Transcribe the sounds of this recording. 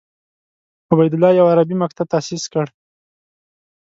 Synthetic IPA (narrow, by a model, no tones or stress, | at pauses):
ʊbajd̪ʊlːɑjawaɾabimak̚t̪ʰab̚t̪asiskəɽ